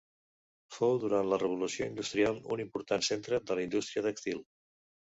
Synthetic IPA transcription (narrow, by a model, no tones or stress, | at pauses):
fowðuɾant̪lərəβ̞ulusioind̪ust̪ɾialˠṵnimpuɾt̪ansent̪ɾəd̪ələind̪ust̪ɾiəðəkst̪ilˠ